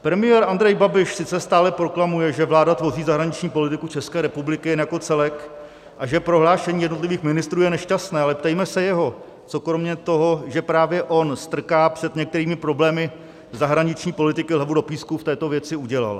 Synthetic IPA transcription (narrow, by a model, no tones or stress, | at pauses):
pɾɛmɪjɛːɾʔand̪ɾɛjbabɪʃsɪt͡sɛst̪aːlɛpɾo̞klamujɛʒɛvlaːdat̪vo̞riːzaɦɾaɲɪt͡ʃɲiːpolɪt̪ɪkut͡ʃɛskɛːɾɛpublɪkɪjɛnjako̞t͡sɛlɛk | ʔaʒɛpɾo̞ɦlaːʃɛɲiːjɛdnot̪lɪviːxmɪnɪst̪ɾuːjɛnɛʃcast̪nɛːalɛpt̪ɛjmɛsɛjɛɦo̞ | t͡so̞kɾo̞mɲɛt̪o̞ɦo̞ʒɛpɾaːvjɛʔo̞nst̪r̩kaːpr̝̥ɛd̪ɲɛk̚t̪ɛɾiːmɪpɾo̞blɛːmɪ | zaɦɾaɲɪt͡ʃɲiːpo̞lɪt̪ɪkɪlavudo̞piːskuft̪ɛːt̪o̞vjɛt͡sɪuɟɛla̰l